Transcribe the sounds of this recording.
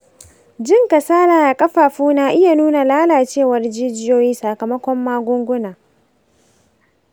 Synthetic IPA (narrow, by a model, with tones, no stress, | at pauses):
d͡ʒɪ˦ŋkɐ˨saː˦laː˨da˨kʼɐ˦ɸaː˨ɸuː˦naː˦ʔɪ˦ja˨nuː˦na˨laː˦laː˨t͡ʃeː˦˨wɐ˨rd͡ʒiː˦d͡ʒɪ˦joː˦jiː˦sa˨kɐ˨mɐ˦kʷɔ˦mːaː˦ɡʷʊ˦ŋɡʷʊ˦naː˨